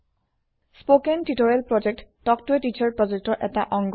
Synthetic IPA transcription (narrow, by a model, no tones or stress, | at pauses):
spokentitɔɹɛlpɹɔd͡ʒek̚ttɔk̚tuetit͡ʃaɹpɹɔzek̚tɔɹʔɛtaʔɔŋɡ